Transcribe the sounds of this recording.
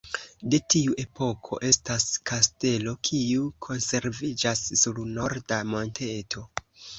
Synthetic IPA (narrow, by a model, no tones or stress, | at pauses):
de̞tiuʔe̞pʰo̞kʰo̞̰ʔe̞staskʰaste̞lo̞kʰiukʰo̞nse̞ɾvid͡ʒasːuɾno̞ɾdamo̞ntʰe̞tʰo̞